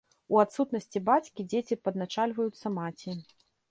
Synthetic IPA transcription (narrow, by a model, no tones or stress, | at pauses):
uat̪sut̪nɐsʲt͡sʲibat͡sʲkʲid͡zʲet͡sʲipɐd̪nat͡ʂalʲvɐjut̪sːɐmat͡sʲi